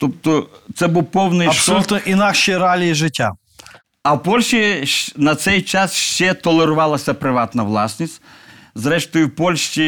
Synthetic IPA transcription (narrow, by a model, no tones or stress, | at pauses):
t̪ɔpt̪ɔt̪sɛbuwpɔwnɪɐsɐlʲut̪nɔʔinakʃɪjɾalʲijiʒɪtʲːa | ɐwpɔlʲʃinɐt̪sɛjt͡ʃasʃt͡ʃɛt̪ɔlˠɛɾʊʋalˠɐsʲɐpɾɪʋat̪nɐʋlˠasʲnʲisʲtʲzɾɛʂt̪ɔjʊpɔlʲʃt͡ʃʲi